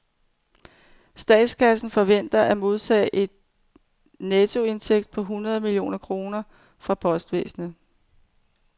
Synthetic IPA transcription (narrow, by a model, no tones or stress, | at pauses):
sd̥ɛ̰ːd̥skʰæsn̩fɒ̽ʋen̰d̥ɐʔæmo̝ð̞ˠt͡sʰɛ̰ːʔe̝d̥̚ | nɛt͡sʰo̝e̝nsʰeɡ̥̚d̥̚pʰɒ̽ɦunɐð̞ˠmilio̝̰ːnɐkʰʁo̝ːnɐ | fʁɑ̈pʰɒ̽sd̥ʋḛːsn̩ə